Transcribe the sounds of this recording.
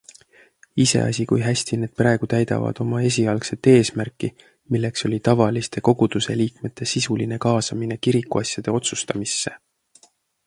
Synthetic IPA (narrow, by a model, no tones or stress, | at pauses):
ise̞̰ɑ̰sʲikujɦæsʲt̪ine̞ːd̪̥̚prɑe̞ɡ̥ut̪æjd̪ɑ̰vɑ̰d̪̥o̞mɑe̞s̬ʲiɑlkse̞t̪ːe̞ːsmærkːˑi | milːe̞kso̞lʲit̪ɑvɑlist̪e̞ko̞ɡ̥ud̪̥use̞liːkme̞t̪ʰːe̞sisuline̞kɑːsɑmine̞kiɾikːuɑsʲjɑd̪̥e̞o̞t̪sust̪ɑmisːe̞